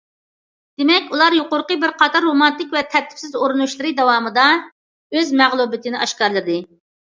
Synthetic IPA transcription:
d̪̥ɪmɛkʲulˠɑɾjoqʊɾqəbɪɾqʰɑt̪ʰɑɾːomɑnt̪ɪkʲvɛt̪ʰɛɾt̪ʰːɪ̥fsɪzoɾɨnuʃlˠɨɾɨd̪ɛwɑːmɨd̪ɑ | øzmɛʁlˠubɪt̪ʰɪnɪʔɑʃkɑɾlˠɨɾd̪ɪ

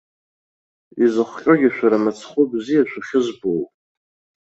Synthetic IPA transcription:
izɨχʷkʲʼoɡʲaʃᶣʷaɾamat͡sʰχʷʊbzijaʃʷʰuχʲɪzbowpʼ

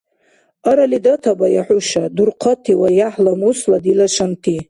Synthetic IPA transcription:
aɾalidatʰabajaħuʃadurqʰatʰiwajaħlamusladilaʂantʰi

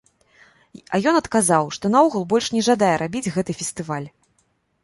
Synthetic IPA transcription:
ɐjɔnɐt̪kazawʂt̪ɔnauɣulˠbɔlʲʂnʲɛʐad̪ajɛɾʔabʲid͡zʲɣɛt̪ɨfʲɛst̪ɨvalʲ

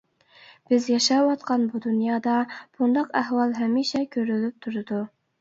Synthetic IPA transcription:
b̥ɪzjɑʃɑwɑt̪qʰɑnbud̪unjɑːd̪ɑb̥und̪ɑqæhwɑlˠɦɛmiʃɛkʲʰøɾylyp̚t̪ʰuɾɨd̪u

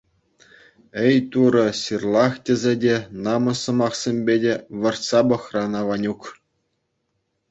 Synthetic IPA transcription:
ɘ̆jt̪uɾɤ̆ɕʲirlˠɑχtʲĕzʲedʲenɑmɤ̆sɤ̆mɑχsʲemʲbʲedʲeʋɤ̆rt̪sɑbɤ̆χrɑnɑʋɑnʲuk

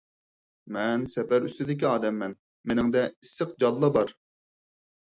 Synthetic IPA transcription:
mɛnsɛpæɾyst̪ɪd̪ɪkʲiɑːd̪ɛmːɛn | menɪŋd̪ɛisːəq̚d͡ʒɑlˠːɑbɑɾ

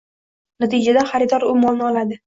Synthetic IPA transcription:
nat̪ʰɪd͡ʒad̪aχaɾɪd̪ɒɾʊmɒlˠnɪɒlad̪ɪ

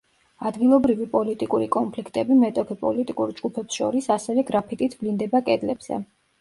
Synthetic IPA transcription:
ad̪ɡilˠɔbɾivipʼɔlit̪ʼikʼuɾikʼɔnpʰlikʰt̪ʼɛbimɛt̪ʼɔkʰɛpʼɔ̰lit̪ʼikʼuɾd͡ʒɡupʰɛpsʃɔ̰ɾisasɛvɛɡɾapʰit̪ʼit̪ʰblind̪ɛbakʼɛd̪lɛbz̥ɛ̰

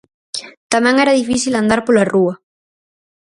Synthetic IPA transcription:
t̪amɛ̃ŋɛɾaðifisiland̪aɾpolarua

